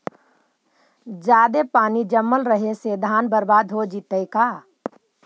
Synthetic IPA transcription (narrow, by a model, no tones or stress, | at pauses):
d͡ʒaːd̪epaːnid͡ʒəmːəlɾəɦesed̪ʱaːnbəɾbaːd̪ɦod͡ʒit̪əikaː